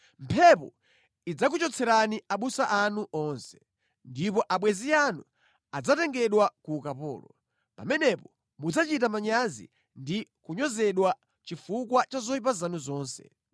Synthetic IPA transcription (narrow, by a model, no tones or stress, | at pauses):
m̩pʰɛpɔ̰ | id͡zakut͡ʃɔt͡sʰɛɾaniaɓusaʔanuʔɔnsɛ̥ | ndipɔʔaɓwɛzijanu | ad͡zatɛŋɡɛɗwakukapɔ̰ːlɔ | pamɛnɛpɔ | mud͡zat͡ʃitamaɲazḭ | ndikuɲɔzɛɗwa | t͡ʃifukwat͡ʃazɔip̬azanuzɔːnsɛ̰